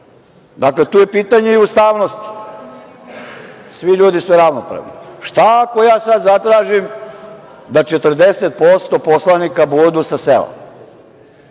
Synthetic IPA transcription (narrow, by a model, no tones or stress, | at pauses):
d̪aklet̪uːje̞piːt̪aɲeiust̪aːʋno̞st̪i̥ | sʋiʎuːd̪isuɾaʋnopɾa̰ʋnḭʃt̪aakojaːsad̪zat̪ɾaːʒim | d̪at͡ʃet̪rd̪eset̪̚po̞st̪o̞po̞slanikabud̪usasḛlo̰m